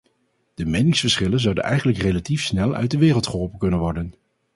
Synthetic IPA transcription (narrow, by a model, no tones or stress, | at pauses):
d̥əmɛjnɪŋsfəɹsχɪlənzɑwdə̰nɛ̰jχənləkrejlatifsnɛlˠʔœ̰ɥ̚dəʋɪːrəlˠtχəɦɔlˠpənkɵnənʋɔɹdən